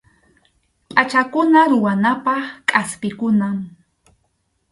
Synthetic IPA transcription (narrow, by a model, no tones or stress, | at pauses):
pʼat͡ʃakʊnaɾʊwanapɑχkʼaspɪkʊnam